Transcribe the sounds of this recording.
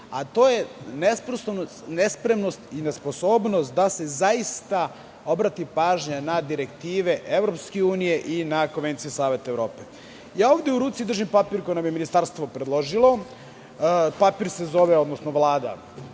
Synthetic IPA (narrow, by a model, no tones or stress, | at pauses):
a̰t̪o̞ːje̞nespɾosono | nespɾe̞mno̞st̪inesposoːbnost̪̚d̪ase̞zaist̪a | o̞bɾat̪ipaːʒɲanad̪iɾe̞kt̪iːʋe̞ʔeʋɾopskeuːnije̞ʔinakonʋent̪sijusaːʋe̞t̪aeʋɾo̞ːpe | jaːo̞ːʋd̪jeuɾuːt̪sid̪ɾr̩ʒimpapiɾko̞jinamjeminist̪aɾst̪ʋo̞pɾed̪lˠo̞ʒilˠo̞ | papiɾse̞zo̞ʋeo̞d̪nosnoʋlˠaːd̪a̰